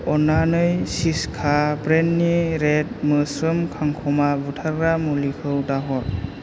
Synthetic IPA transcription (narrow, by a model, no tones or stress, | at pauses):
ɔnanɯjsiskʰabɾenːiɾet̚mɯsɯmkʰaŋkʰɔmabutʰaɾɾamulikʰɯwdaɦɔɾ